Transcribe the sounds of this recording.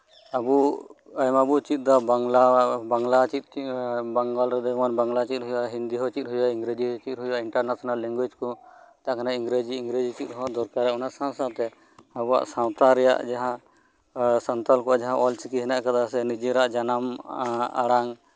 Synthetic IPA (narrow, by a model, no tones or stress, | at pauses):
abu | ajmabut͡ʃit̪̚ˀd̪abaŋlabaŋlat͡ʃit̪̚baŋɡalɾɛd̪ɔmanbaŋlat͡ʃit̪̚ɦujaɦind̪iɦɔt͡ʃit̪̚ɦujaiŋɡɾed͡ʒiɦɔt͡ʃit̪̚ɦujaʔiɳʈaɾnasɔnalːiŋɡwid͡ʒkɔt̪akanaĩŋɡɾed͡ʒiːŋɡɾed͡ʒit͡ʃit̪̚ɦɔãd̪ɔɾkaɾɛaunasãnsawt̪ɛ | abua̰ʔsãwt̪aɾɛja̰ʔd͡ʒaɦã | sant̪alkɔad͡ʒaɦãʔɔlt͡ʃikiɦɛnaʔkad̪asɛnid͡ʒiɾaʔd͡ʒanama̰ɽaŋ